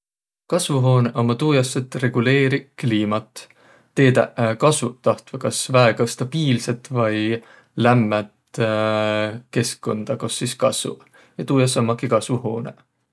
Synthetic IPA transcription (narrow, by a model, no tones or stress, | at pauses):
kɑsvuɦo̞ːneʔo̞mːɑt̪uːjɑsːet̪ːˑre̞ɡ̥ule̞ːɾikliːmɑt̪ː | e̞ːd̪æ̰kɑsvut̪ɑht̪vɑkɑsvæeɡ̥ɑst̪ɑb̥iːlse̞t̪ˑvɑj | læmːæt̪ | ke̞skːo̞nd̪̥ɑko̞sːiskɑsvṵ | jɑt̪uːjɑs̬ːomːɑkikɑsvuho̞ːnḛ